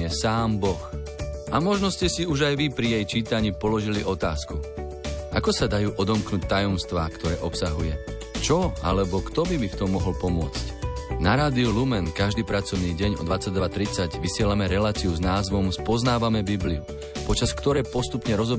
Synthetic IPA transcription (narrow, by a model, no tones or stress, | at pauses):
ɛsaːmbɔx | ʔamɔʒnɔscɛsiuʒajʋipɾijɛjt͡ʃiːt̪aɲiːpɔlɔʒiliʔɔt̪a̰ːsku | ʔakɔsad̪ajuːʔɔd̪ɔmknuːc̚t̪ajɔmst̪ʋaːkt̪ɔɾɛːʔɔpsaɦujɛ | t͡ʃɔa̰lɛbɔkt̪ɔbibift̪ɔmːɔɦɔlpɔmʊɔt͡scnaɾaːd̪iulumɛnkaʒd̪iːpɾat͡sɔʊniːɟɛɲɔ̰d̪ʋat͡sːaɟd̪ʋat̪ɾit͡saɟʋisɪɛlamɛɾɛlaːt͡siuznaːzʋɔmspɔznaːʋamɛbibliu | pɔt͡ʃaskt̪ɔɾɛːpɔst̪upɲɛɾɔzɔb